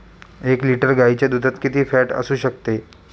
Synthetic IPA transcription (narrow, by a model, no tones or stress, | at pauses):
ekliʈəɾɡait͡ɕjad̪ud̪ʱət̪kit̪iːfæʈə̰suːɕək̚t̪e